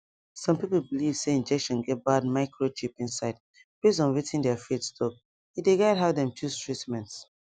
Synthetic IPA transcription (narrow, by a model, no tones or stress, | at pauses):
sɔ̃mpipəl̩bilivseĩnd͡ʒɛkʃɔ̃nɡɛt̚bad̚maɪkʰɹot͡ʃipĩnsaɪd | pis̬ɔ̃nwitĩndɛfitstʰɔp̚ | ideɡaɪd̚ɦavdɛ̃mtʰustɹitmɛ̃nts